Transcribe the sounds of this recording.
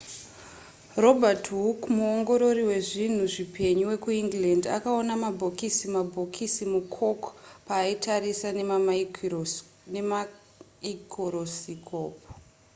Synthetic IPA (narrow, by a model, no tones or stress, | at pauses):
ro̞bʱatɦukmuoŋɡo̞ɾo̞riwe̞ʐin̤uʐipe̞ɲuwe̞kuiŋɡlanda̰kaonamabʱokisimabʱo̞kʰisimukʰo̞kpaːitʰaɾisan | nem | ikʰoɾosikʰoːpo̥